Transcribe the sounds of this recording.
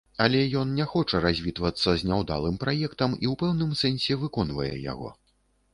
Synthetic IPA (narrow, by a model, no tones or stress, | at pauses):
alʲɛjɔnnʲaxɔt͡ʂɐɾazʲvʲit̪vɐt̪sːɐzʲnʲawd̪a̰lˠɨmpɾajɛkt̪ɐmiwpɛwnɨmsɛnʲsʲɛvɨkɔnvɐjɛ̰ja̰ɣɔ̰